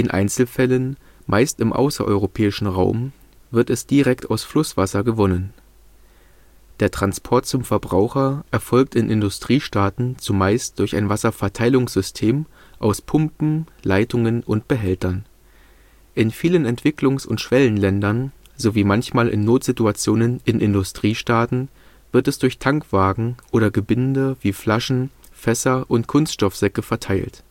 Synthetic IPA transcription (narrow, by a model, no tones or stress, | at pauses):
ʔɪnʔa̰ɪnt͡sl̩fɛlən | mʔaɪstɪmʔa̰ʊsɐ̰ʔɔ̰ʏʁopʰɛːɪʃn̩ʁaʊm | vɪɐtɛsd̥iʁɛktʰaʊsflʊsv̥asɐɡəvɔnən | d̥eːɐtʁ̥anspʰɔɐt̚t͡sʊmfɛɐbʁaʊxɐʔɛɐfɔlk̚tɪnʔɪndʊstʁ̥iːʃtaːtn̩t͡sumaɪst̚d̥ʊɐça̰ɪnvasɐfɛɐtʰaɪlʊŋsz̥ʏstʰeːm | ʔaʊspʰʊmpm̩laɪtʊŋənʔʊntb̥əɦɛltɐn | ʔɪnfiːlənɛntv̥ɪklʊŋsʊ̰ntʃv̥ɛlənlɛndɐn | zoviːmançmaːlʔɪ̰nːoːtz̥ɪtuat͡sjoːnənʔɪnʔɪndʊstʁ̥iːʃtaːtn̩ | v̥ɪɐtɛsd̥ʊɐçtʰaŋkv̥aːɡŋ̩ʔoːɾɐɡəbɪndəviːflaʃn̩fɛsɐʔʊntkʰʊnstʃtɔfz̥ɛkəfɛɐtʰaɪlt